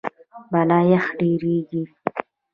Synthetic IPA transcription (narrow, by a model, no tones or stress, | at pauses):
balɑjaxɖeɾeɡi